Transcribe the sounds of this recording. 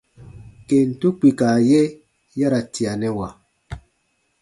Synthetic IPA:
ke˨n̩˨tu˦k͡pi˨ka˨jɛ˦ | ja˦ɾa˨ti˨a˨nɛ˦wa˨

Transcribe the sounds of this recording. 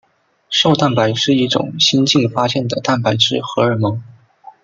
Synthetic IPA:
ʂo˥˧ʊt̪a˥˩npa˧˥ɪʂɻ̩˥˩˧i˥˩ʈ͡ʂʊ̰˨˩ŋɕi˥nt͡ɕi˥˩ŋfa˥ɕjɛ˥˩nd̪ə˩t̪a˥˩npa˧˥ɪʈ͡ʂɻ̩˥˩xɤ˧˥ə˞˧˨˩mɤ˧˥˦ŋ

